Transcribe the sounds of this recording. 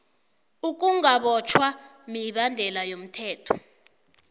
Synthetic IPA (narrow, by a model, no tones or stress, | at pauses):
uk̬ʼuŋaɓɔt͡ʃʰwa | miɓandʱɛlajom̩tʰɛːtʰɔ̥